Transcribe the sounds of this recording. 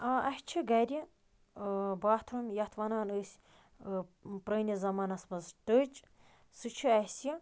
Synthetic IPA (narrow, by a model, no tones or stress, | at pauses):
aɐhʲt͡ʃʰiɡɐɾʲi | baːt̪ʰɾumjɐt̪ʰʋɐnaːnəsʲ | pɾəːnʲizɐmɐnɐsmɐzʈət͡ʃ | sɨt͡ʃʰɨɐsʲi